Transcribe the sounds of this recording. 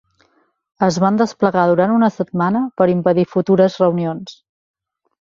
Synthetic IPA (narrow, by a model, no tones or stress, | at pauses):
əzβand̪əspləɣaðuɾant̪unəsət̪̚manəpəɾimpəðifut̪uɾəzrəwnions